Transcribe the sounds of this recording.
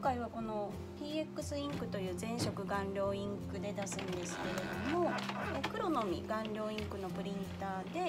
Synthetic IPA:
kaiβako̞no̞ | pʲiːekːɯ̟sɨĩŋkɯ̟t̪o̞jɯ̟ːzẽ̞ɰ̃ɕo̞kɯ̟ɡãnɾʲo̞ːĩŋkɯ̟d̪e̞d̪asɨ̃nd̪e̞sɨ̥ke̞ɾe̞d̪o̞mo̞ekɯ̟ɾo̞no̞mʲḭɡãnɾʲo̞ːĩŋkɯ̟no̞pɯ̟ɾʲĩnt̪aːd̪e̞

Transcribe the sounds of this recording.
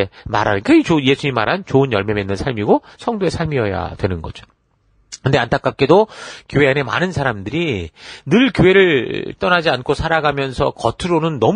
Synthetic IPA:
ma̰ɾa̰nkait͡ɕojesʰuɲima̰ɾɦant͡ɕoɯnjʌɭmemenːɯnsʰaɭmiɡosʰʌŋdoe̞sʰaɭmiʌja̰dwe̞nɯnɡʌ̰d͡ʑo̥ | kɯnde̞antʰak͈ak͈̚e̞dokjoɦe̞ane̞ma̰nɯnsʰaɾamdɯɾinɯɭkjoe̞ɾɯɭt͈ʌnad͡ʑiankʰosʰaɾaɡamjʌnsʰʌkʌtʰɯɾonɯnːʌm

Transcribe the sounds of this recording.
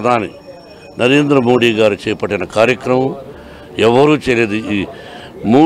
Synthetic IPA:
d̪ʱaːnḭ | nʔɐɾeːnd̪ɾɐmo̞ːɽiːɡaːɾut͡ʃɛːjɐpɐʈːinɐkaːɾjɐkɾɐmɐm | ɛʋːɐɾuːt͡ʃɛːjɐleːd̪uiː | muː

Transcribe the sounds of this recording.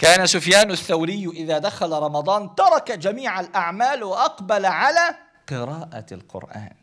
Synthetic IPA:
kaːnasʊfjaːnʊθːawɾɪjːʔɪðaːd̪axalaɾˤɑmɑd̪ˤɑːnt̪ɑɾˤɑkad͡ʒamiːʕalʔaʕmaːlwɪʔɑqbalʕalaː | qɨɾɑːʔa̰lqʊ̰ɾʔa̰ːn

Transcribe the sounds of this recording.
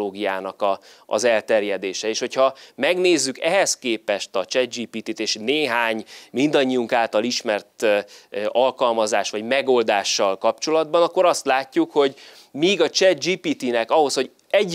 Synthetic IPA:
oːɡijaːnɒkɒ | ɒ̰zɛlt̪ɛrjɛd̪eːʃɛeːʃho̞cʰhɒmɛɡneːzːykɛɦɛskeːpɛʃt̪ɒt͡ʃɛd̪̚d͡ʒiːpiːt̪it̪eːʃneːɦaːɲmind̪ɒɲːijuŋkaːlt̪ɒliʃmɛrt̪ | ɒlkɒlmɒzaːʃʋɒɟmɛɡo̞ld̪aːʃːɒlkɒpt͡ʃo̞lɒd̪bɒnɒkːo̞ɾɒst̪laːcːukho̞ɟ | miːɡɒt͡ʃɛd̪̚d͡ʒiːpit̪inɛkɒɦo̞sho̞ɟ | ɛɟ

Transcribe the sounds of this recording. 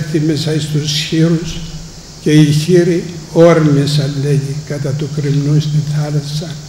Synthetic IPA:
θimesɐist̪usçiɾus | ceiçiɾioɾmisɐlːejikat̪at̪ukɾimnust̪iθʰalɐsɐ

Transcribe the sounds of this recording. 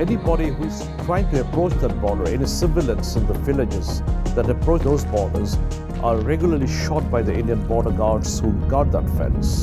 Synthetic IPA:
ɛnibɔɾiɦuɪz̥ | tʰɾaɪɪ̃ŋʈuəpɾoːt͡ʃd̪æʈ̚bɔɖəɾɛnisɪ̃mbɪlə̃nsɪ̃nd̪əvɪlɪd͡ʒɪzd̪æʈəpɾoːt͡ʃd̪oːzbɔɖəz | ʔaɾɛɡjʊləɾliʃɔʈ̚baɪd̪iʔɪ̃nɖiə̃nbɔːɾəɡaːɖshuɡaɖ̚d̪ə̰tfɛ̰̃ns

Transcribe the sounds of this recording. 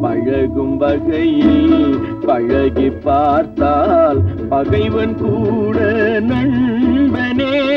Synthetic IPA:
pɐɻɐɣɯmʋɐɣɐji | pɐɻɐɣɪpːaːɾt̪aːlpɐɣɐɪʋɐnkuːɽɐnɐɻbɐneː

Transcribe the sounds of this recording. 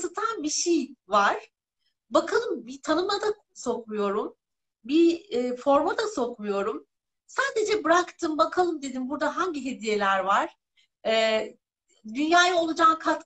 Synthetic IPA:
sɯt̪ʰanbiʃejvaɾ̥ | bakʰalˠɯmbit̪ʰanɯmad̪a | so̞kmujo̞ɾum | biːfo̞ɾmad̪aso̞kmujo̞ɾum | saːd̪e̞d͡ʒɛbɯɾakt̪ʰɯmbakʰalˠɯmd̪e̞d̪inbuɾd̪aɦaɲɟiɦe̞d̪ije̞lʲæɾvaɾ̥ | ɛː | d̪ynjaːjao̞lˠud͡ʒaːnkʰat̪

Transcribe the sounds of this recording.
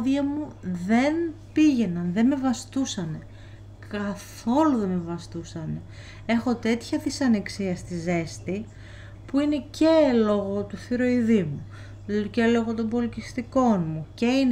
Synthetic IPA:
ðiɐmuðe̞npiʝe̞nɐnðe̞me̞vɐst̪usɐne̞ | kɐθo̞luðe̞me̞vɐst̪usɐne | e̞xo̞t̪e̞t̪çɐt̪isɐne̞ksiɐst̪ize̞st̪i | puine̞ce̞lo̞ɣo̞t̪uθiɾo̞iðimu | celo̞ɣo̞t̪o̞mbo̞licist̪iko̞nmuce̞in

